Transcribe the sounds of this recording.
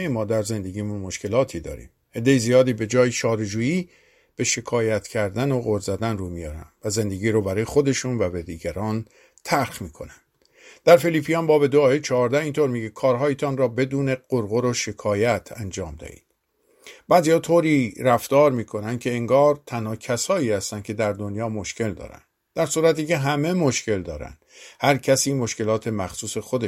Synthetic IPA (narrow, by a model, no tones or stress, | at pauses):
mɒːd̪æɾze̞nd̪e̞ɡiːmunmo̞ʃke̞lɒːt̪ʰid̪ɒ̰ːɾḭːm | e̞d̪ːe̞jizijɒːd̪iːbe̞d͡ʒɒːjiʃɒːɾed͡ʒuːjiː | b̥e̞ʃe̞kʰɒːjæt̪ʰcʰæɾd̪ænoɣoɾzæd̪ænruːmijɒːɾæ̰nvæze̞nd̪e̞ɡiːɾuːbæɾɒːjexo̞d̪e̞ʃuːnvæbed̪iːɟæɾɒːn | t̪ʰæɾxmiːkʰo̞̰nænd | d̪̥æɾfeliːpʰijɒːnbɒːbe̞d̪oɒːjet͡ʃʰɒːɾd̪æhiːnt̪oɾmiːɟekʰɒːɾɦɒːjet̪ʰɒːnrɒːbe̞d̪uːne̞ɢ̥oɾɣoɾoʃe̞kʰɒːjæt̪ʰænd͡ʒɒːmd̪æ̰hḭːd̪̥ | b̥æːziːhɒːt̪ʰoːɾiːɾæft̪ɒːɾmiːkʰo̞nænd̪̥̚kʰʲe̞eŋɡɒːɾt̪ʰænhɒːcʰæsɒːiːhæst̪ænd̪kcʰe̞d̪æɾd̪o̞njɒːmo̞ʃce̞ld̪ɒ̰ːɾæ̰nd̪ | d̪̥æɾsuːɾæt̪iːce̞ɦæme̞moʃce̞ld̪ɒːɾæ̰nd̪̥hæɾcʰæsiːmo̞ʃke̞lɒːt̪ʰe̞mæxsuːse̞xod̪e